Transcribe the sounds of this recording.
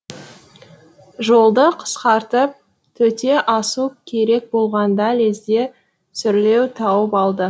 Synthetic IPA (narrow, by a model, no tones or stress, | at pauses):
ʒo̞lˠd̪əqʰə̥sqɑɾt̪əp̚ | t̪ʰɵt̪e̞ʔɑsukʲʰe̞ɾe̞k̚bo̞lˠʁɑnd̪ɑle̞zd̪e̞ | sʏɾle̞wt̪ʰɑwəpɑlˠd̪ə